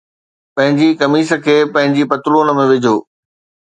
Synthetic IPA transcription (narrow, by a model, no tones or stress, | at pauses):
pɐ̃ɦɪ̃ɲd͡ʑikɐmiːsə̆kʰeːpɐ̃ɦɪ̃ɲd͡ʑipɐt̪ʊluːnə̆mẽʋɪd͡ʑʱoː